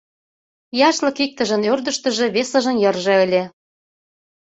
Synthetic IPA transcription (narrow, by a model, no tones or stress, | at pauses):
jɑʃlɤ̆kik̚t̪ə̆ʒə̆nørd̪ə̆ʃt̪ə̆ʒĕβesə̆ʒə̆njɤ̆rʒĕəlʲe